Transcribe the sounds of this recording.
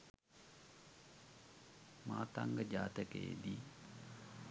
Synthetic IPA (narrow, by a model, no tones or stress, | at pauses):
maːt̪a̰ŋɡəd͡ʒaːt̪əkəjḛd̪iː